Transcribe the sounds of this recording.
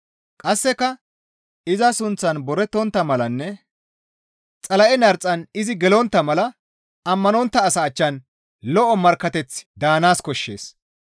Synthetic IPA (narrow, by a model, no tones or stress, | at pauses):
kʼɐsːɛkɐ | ɪzɐsʊnt͡sːɐnbɔɾɛt̪ːɔnt̪ːɐmɐlɐnːɛ | t͡sʼɐlɐʔɛnɐɾt͡sʼːɐnɪzɪɡɛlɔnt̪ːɐmɐlɐ | ɐmːɐnɔnt̪ːɐːsɐːt͡ʃːɐn | lɔʔɔmɐɾkːɐt̪ɛt͡sd̪aːnaːskɔʃːe̞̰ːs